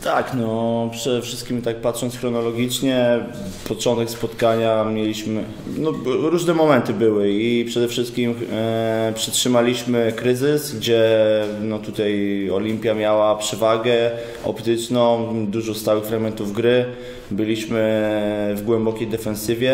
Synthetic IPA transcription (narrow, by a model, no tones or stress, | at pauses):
t̪ʰaknɔpʂɛd̪ɛfʂɘst̪kʲimt̪ak̚pat̪ʂɔnt̪sxɾɔnɔlɔɡʲit͡ʂɲɛ | pɔt͡ʂɔnt̪ɛkspɔt̪kaɲamʲjɛlʲiɕmɘ | nɔɾuʐnɛmɔmɛnt̪ɘbɘwɘipʂɛd̪ɛfʂɘst̪̚kʲim | pʂɛtʂɘmalʲiɕmɘkɾɘzɘsɡd͡ʑɛnɔt̪ut̪ajɔlʲimpʲjamʲjawapʂɛvaɡɛ | ɔ̰pt̪ɘt͡ʂnɔ̃w̃d̪uʐɔst̪awɘxfɾaɡmɛnt̪uvɡɾɘ | bɘlʲiɕmɘvɡwɛmbɔkʲejd̪ɛfɛ̃nsɘvʲjɛ